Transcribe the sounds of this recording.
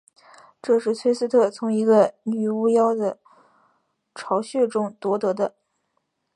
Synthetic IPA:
ʈ͡ʂɤ˥˧ʂɻ̩˥˩t͡sʰwe˥ɪsɹ̩˥t̪ʰɤ˥˩t͡sʰʊ˧˥ŋi˧˥ɡə˧ny˨˩u˥jɑ˥ʊd̪ə˨ | ʈ͡ʂʰɑ˧˥ʊɕɥɛ˥˩ʈ͡ʂʊ˥ŋt̪wɔ˧˥t̪ɤ˧˥d̪ə˧

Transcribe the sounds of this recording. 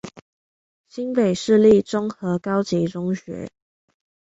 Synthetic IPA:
ɕi˦˥npe˨˩ɪʂɻ̩˥˧li˥˩ʈ͡ʂʊ˥ŋxɤ˨˥kɑ˥ʊt͡ɕi˧˥ʈ͡ʂʊ˥ŋɕɥɛ̰˧˥˦

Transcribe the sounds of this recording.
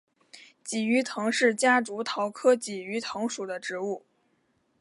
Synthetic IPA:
t͡ɕi˨˩y˧˥t̪ʰɤ˧˥ŋʂɻ̩˥˩t͡ɕja˥ʈ͡ʂu˧˥t̪ʰɑ˧˥ʊkʰɤ˥t͡ɕi˨˩y˧˥t̪ʰɤ˧˥ŋʂu˨˩d̪ə˦ʈ͡ʂɻ̩˧˥u˥˩

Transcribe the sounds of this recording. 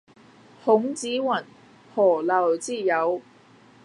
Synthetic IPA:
hʊ˨˥ŋt͡siː˨˥wɐ˨˩n | hɔː˨˩lɐ˨˩wt͡siː˥˩jɐ˨˧w

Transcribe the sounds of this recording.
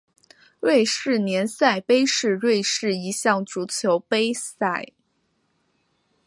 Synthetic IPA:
ɻwe˥˧ɪʂɻ̩˥˩njɛ˧˥nsa˥˩ɪpe˥ɪʂɻ̩˥˧ɻwe˥˧ɪʂɻ̩˥˩i˧˥ɕjɑ˥˩ŋʈ͡ʂu˧˥t͡ɕʰjo˧˥ʊpe˥ɪsa˥˩ɪ

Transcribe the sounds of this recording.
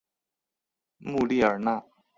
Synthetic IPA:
mu˥˨li˥˦˨ə˨˩na˥˨

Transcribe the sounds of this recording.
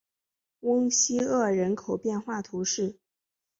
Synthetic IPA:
wə˥ŋɕi˥ɤ˥˩ɻə˧˥nkʰo˨˩ʊpjɛ˥˧nxwa˥˩t̪ʰu˧˥ʂɻ̩˥˩

